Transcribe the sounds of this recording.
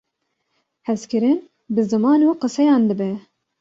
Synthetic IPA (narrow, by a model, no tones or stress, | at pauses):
hɛskɨɾɨn | bɨzɨmɑːnuqɨsɛjɑːnd̪ɨbɛ